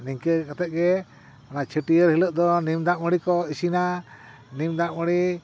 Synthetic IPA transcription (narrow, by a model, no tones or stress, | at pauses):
niŋkəkat̪ɛʔ̪̚ɡɛ | anat͡ʃʰəʈiəɾɦiləʔ̚d̪ɔnimd̪aʔməɽikɔisina | nimd̪aʔməɽi